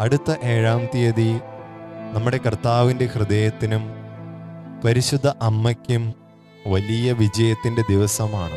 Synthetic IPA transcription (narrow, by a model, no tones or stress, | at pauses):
ɐɽut̪ːɐʔeːɻaːmt̪ijɐði | nɐmːuɽe̞kɐrt̪aːʋinde̞hrɨd̪eːjɐt̪ːinum | pɐɾiɕud̪ʱːɐʔɐmːɐkʲːum | ʋɐlijɐʋid͡ʑɐjɐt̪ːinde̞d̪iʋɐsɐmaːɳɨ